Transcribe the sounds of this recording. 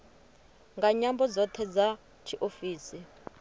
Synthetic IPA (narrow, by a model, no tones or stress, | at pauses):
ŋɡaɲambɔd͡zɔtʰɛd͡za | t͡ʃʰiʔofiːsi